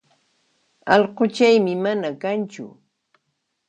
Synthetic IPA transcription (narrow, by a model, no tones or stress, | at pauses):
ɑʎqot͡ʃajmɪmanakant͡ʃʊ̰